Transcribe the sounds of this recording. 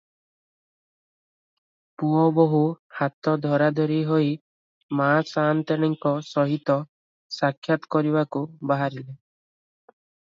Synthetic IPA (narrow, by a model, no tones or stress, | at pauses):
puɔbɔɦuhat̪ɔd̪ʱɔɾad̪ʱɔɾiɦoj | masant̪eɽ̃iŋkɔsɔɦit̪ɔ | sakʰjat̪ɔ̥kɔɾiβakubaɦaɾile